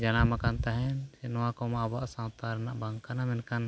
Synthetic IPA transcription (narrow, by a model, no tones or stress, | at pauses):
d͡ʒanamakant̪aɦɛnsɛnɔwakɔmaabaʔsãwt̪aɾɛnaʔbaŋkanamɛnkan